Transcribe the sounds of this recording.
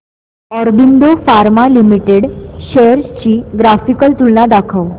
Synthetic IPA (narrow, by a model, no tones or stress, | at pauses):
ɔɾbind̪ofaɾmalimiʈeɽɕeəɾst͡ɕiːɡɾafikəlt̪uɭnad̪akʰəw